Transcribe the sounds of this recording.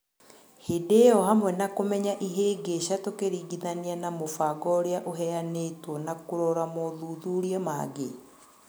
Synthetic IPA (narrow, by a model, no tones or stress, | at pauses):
hedejɔhamwɛnakomɛɲaʔiɦeːɡeʃatokeɾiɡiðanianamofaːɡɔɾeaʔoɦɛanetwɔnakoɾɔɾamoðuːðuɾiɔma̰ɡḛ